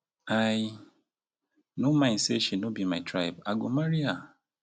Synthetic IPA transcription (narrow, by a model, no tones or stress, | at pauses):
aj | nomãj̃nseʃinobimaɪtʰɾajbaɡomaɾia